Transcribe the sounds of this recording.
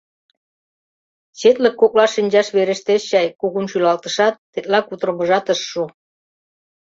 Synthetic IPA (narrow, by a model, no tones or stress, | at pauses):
t͡ɕet̪lə̆kːok̚lɑʃinʲd͡ʑɑʃβeɾə̆ʃt̪eʃɕɑjkuɣunʃylɑlt̪ə̆ʃɑt̪ːet̪̚lɑkut̪ɾŏmə̆ʒɑt̪əʃːu